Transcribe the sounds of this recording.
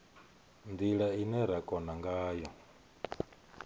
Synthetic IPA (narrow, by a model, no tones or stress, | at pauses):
nd̪iɺainɛɾakʼɔnaŋɡaːjɔ